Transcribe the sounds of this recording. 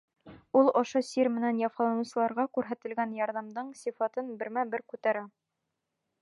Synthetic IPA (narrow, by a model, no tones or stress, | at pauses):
ulˠŏʃosiɾmɘ̆nænjɑfɑlˠɑnɤ̆sɤ̆lˠɑɾʁɑkʉɾɦæt̪ɘ̆lɡænjɑɾðɑmd̪ɤɴsʲifɑt̪ɤnbɘ̆ɾmæbɘɾkʉt̪æɾæ